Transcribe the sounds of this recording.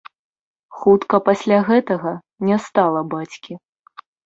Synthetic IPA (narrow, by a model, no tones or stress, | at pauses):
xut̪kɐpasʲlʲaɣɛt̪ɐɣɐ | nʲɛst̪alˠɐbat͡sʲkʲi